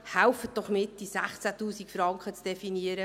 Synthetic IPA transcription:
hælfəd̥ɔχmɪt̚d̥̪isæχt͡sæt̪uːsikfɾɑŋkχət͡sd̥ɛfiniəɾə

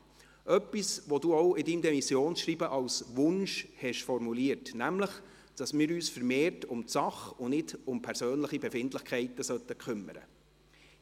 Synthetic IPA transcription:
ʔœpːisʋod̥uːɔʊɪdimdɛmisjoːnʃriːbəʔɑwsʋʊnʃhɛʃfɔɾmuliːəɾtnæmləχ | d̥ɑsmɪːɾyːsfəɾmeːɾtʊmtsɑχʊnɪdʊmpʰɛɾsøːnləχibɛfɪndləχkʰɛɪtːəsœt̪ːəkʰʏmːə̰ɾə̰

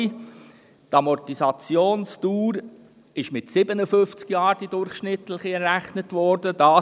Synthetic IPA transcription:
tɑmɔtisɑt͡sjoːnstuːɾ | ɪʃmɪtsɪbənəfʏft͡skjɑːɾd̥idʊɾχʃnɪtləχiɛrːæχnətʋɔɾd̥əd̥ɑː

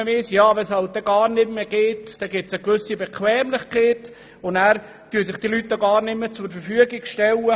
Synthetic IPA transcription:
əʋɪsjaːvɛshɑlt̚d̥ɛɡɑːɾnɪtmeɡ̥eːtd̥ɛɡɪtsəkvʏsibɛkʰwɛːmlɪχkʰeːt | ʊnæːɾ | tyːəs̬ɪχd̥ilytːoɡɑːɾnɪmːət͡sʊɾfəɾfyəɡɪɡʃtɛlə

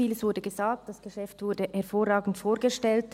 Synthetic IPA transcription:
iːləsv̥ʊɐdəɡəzaːk̚t̚d̥asɡ̥əʃɛftvʊɾdəhɛɐfoːʁaːɡn̩tfoːɾɡəʃtɛlt

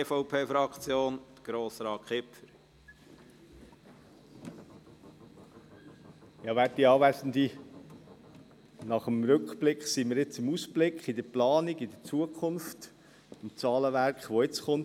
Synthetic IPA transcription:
fɔʊpʰeːfɾɑkt͡sjoːnd̥̪ɡ̥ɾoːsɾɑːt̚kʰχɪpfəɾ | jɑːʋæːtiɑːʋæsən̩d̪i | nɑχəmɾɵkχb̥lɪkχsiməɾɪt͡sɪmusb̥lɪkχid̪əplɑːniɡid̥̪ət͡suəkχʊnft | ɪmt͡sɑːləʋæɾkχʋɔɪt͡sχʊnt

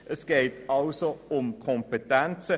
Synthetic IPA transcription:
ʔəsɡ̥eɪtɑlsoʊmkʰɔmpetɛnt͡sə

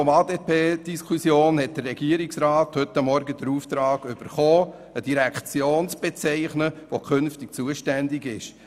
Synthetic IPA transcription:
ɔmɑːdeːpʰeːd̥iskʰusjoːnhɛt̚d̥ərːɛɡ̥iəɾɪksɾɑːt̪hʏt̪ːɑmːɔɾɡəd̥əɾuːft̪ɾɑːɡ̥ʏb̥əɾχoː | əd̥iɾɛkt͡sjoːnt͡sb̥ɛt͡sɛɪχnəʋokʰønftɪk̚t͡suəʃtɛndɪɡɪʃ

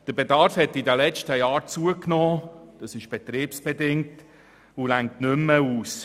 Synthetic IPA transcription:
d̥əɾbedɑɾfhɛtidəlɛt͡ʃtəjɑːɾt͡suəknɔːd̥ɑsɪʃb̥et̪ɾiːpsb̥edɪŋ̚t | ʊlæŋk̚tnʏmːəuːs

